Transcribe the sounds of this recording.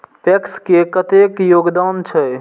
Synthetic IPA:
pekskekət̪ekjoɡd̪ant͡ʃʰə

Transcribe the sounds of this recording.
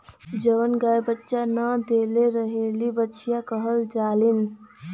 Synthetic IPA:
d͡ʒəʋənɡajbətːʃanəd̪eleɾəɦelibətːʃijakəɦəld͡ʒaːlin

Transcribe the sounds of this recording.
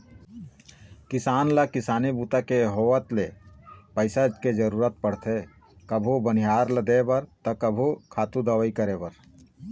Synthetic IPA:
kɪsaːnlakɪsaːnibuːt̪akejəɦoːʋət̪lepəɪsad͡ʒked͡ʒəɾuːɾət̪̚pəɽ̤t̪ʰe | kəbʱobənijaːɾləd̪ebəɾt̪ɐkəbʱukʰaːt̪ũd̪əʋəikəɾebəɾ

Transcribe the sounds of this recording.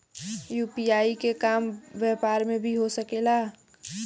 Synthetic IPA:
juːpiaːikekaːmʋɛpaːɾmẽbʱiɦosəkelaː

